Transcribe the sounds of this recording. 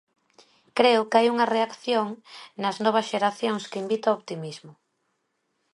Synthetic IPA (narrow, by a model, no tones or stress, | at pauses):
kɾeʊkajuŋɐreakθjoŋnɐznɔβ̞ɐsʃeɾaθjoŋskimbit̪aopt̪imizmʊ